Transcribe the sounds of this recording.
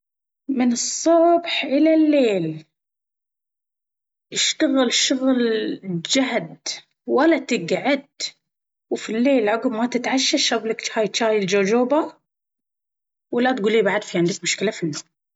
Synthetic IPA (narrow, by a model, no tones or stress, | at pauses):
mɪnɨsˤːʊbħʔɪlalːeːl | ʔɪʃt̪aɣɪlʃʊɣld͡ʒaɦd̪ | walːat̪ɪɡʕad̪̚ | wfilːeːlʕʊɡbmat̪ɪt̪ʕaʃːaʃablɪkt͡ʃhaːjt͡ʃaːjɪld͡ʒoːd͡ʒoːba | walːat̪ɡuːlːiːbaʕd̪fiʕɪnd̪ɪkmʊʃkɪlafinːom